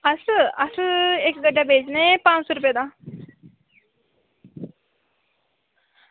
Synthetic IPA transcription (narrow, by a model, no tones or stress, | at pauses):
ɐsɨɐsɨekɡəɖabeːd͡ʒnepãːt͡ʃsoɾup̬jed̪a